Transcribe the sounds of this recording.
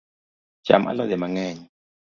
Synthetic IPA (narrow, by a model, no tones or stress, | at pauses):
d͡ʒ̥a̰ma̰lazɛmaŋɛːɲi